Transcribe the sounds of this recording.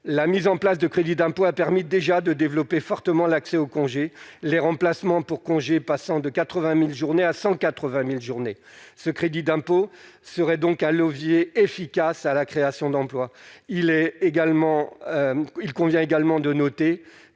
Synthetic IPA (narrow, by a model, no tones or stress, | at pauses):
lamizɑ̃plas̬d̪əkχed̪id̪ɛ̃poapɛʁmid̪eʒad̪əd̪evlɔpefɔʁt̪əmɑ̃laksɛokɔ̃ʒeleʁɑ̃plasmɑ̃puʁkɔ̃ʒepasɑ̃d̪əkat̪χəvɛ̃milʒuʁneasɑ̃kat̪χəvɛ̃milʒuʁne | səkχed̪id̪ɛ̃posəʁɛd̪ɔ̃kɛ̃ləvjeefikasalakχeasjɔ̃d̪ɑ̃plwailɛeɡalmɑ̃ | ilkɔ̃vjɛ̃eɡalmɑ̃d̪ənɔt̪e